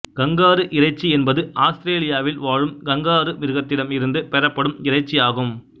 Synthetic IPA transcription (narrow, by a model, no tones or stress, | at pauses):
ɡ̥ɐŋɡaːɾɯʔɪɾɐɪt͡ʃːiɛnbɐðɯʔaːst̪ɪɾeːlɪjaːʋɪlʋaːɻɯmɡɐŋɡaːɾɯʋɪɾɯɣɐt̪ːɪɽɐmɪɾɯnd̪ɯpɛɾɐpːɐɽɯmɪɾɐɪt͡ʃːijaːɣɯm